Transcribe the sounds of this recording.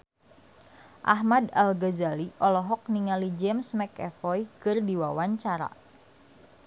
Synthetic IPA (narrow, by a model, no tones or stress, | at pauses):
ʔa̰ɦmadalɡazaliʔɔlɔɦɔk̚niŋalid͡ʒɛmsmɛkɛfɔjkɨrdiwawaɲt͡ʃaɾa̰